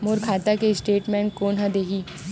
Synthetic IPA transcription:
moːɾkʰaːt̪akesʈeːʈmɛ̃ːɳkoːnɦɐd̪eːɦiː

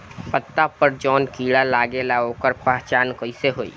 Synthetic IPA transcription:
pət̪ːapəɾd͡ʒɔːnkiːɽalaːɡelaoːkəɾpaɦt͡ʃaːnkəɪseɦoːḭː

